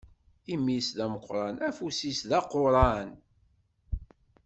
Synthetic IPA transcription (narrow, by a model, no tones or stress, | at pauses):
imːisðæməqːɾˤɑnæfusisðɑqoɾˤɑn